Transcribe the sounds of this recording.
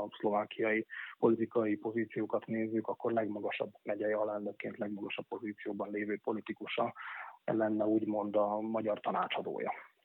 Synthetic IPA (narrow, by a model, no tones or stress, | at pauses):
slo̞vaːkijɒjipo̞lit̪ikɒjipo̞ziːt̪sijoːkɒt̪neːzːykɒkːo̞rlɛɡmɒɡɒʃɒ̰bːmɛɟɛjɛɒlɛnnøːkːeːnt̪lɛɡmɒɡɒʃɒpːo̞ziːt̪sijoːbɒnleːvøːpo̞lit̪ikuʃɒɛ̰lːɛnːɛuːɟmo̞nd̪ɒmɒɟɒrt̪ɒnaːt͡ʃɒd̪o̰ːjɒ̰